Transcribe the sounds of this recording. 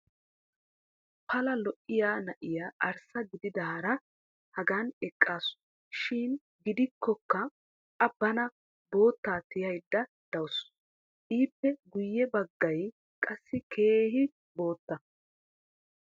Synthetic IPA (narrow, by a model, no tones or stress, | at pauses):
pɐlɐlɔʔɪjaːnɐʔɪjaːʔɐɾsɐɡɪd̪ɪd̪ɐɐɾɐ | hɐɡanɛkʼːaːs | ʃɪːn | ɡɪd̪ɪkːɔkːɐ | ʔɐbɐnɐ | bo̞ːt̪ːaːt̪ɪjɐjd̪ːɐ | d̪̥ɐws | ʔiːpːɛɡʊjːɛbɐɡːɐj | kʼɐsːɪkʰe̞ːhɪ | bo̞ːt̪ːɐ